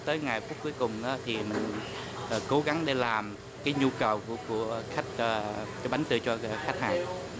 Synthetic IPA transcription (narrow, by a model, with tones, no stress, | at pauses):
t̪əː˨˦jŋa˨˩jfu˦˥əp̚kːu˨˦əjkʊ˨˩ŋ͡mʔaː˨˦t̪ʰi˨˩mï˨˩ŋ̟ | ʔəː˨˩ko˨˦ɣa˨˦ŋɗe˧˩laː˨˩m | kaː˨˦jɲu˧kə˨˩wkku˧˩əxa˦˥jk̚əː˧t͡ɕɔ˧ɓa˨˦jŋ̟t̪ɨ˧˨t͡ɕɔ˧xa˦˥jk̟̚haː˨˩ŋ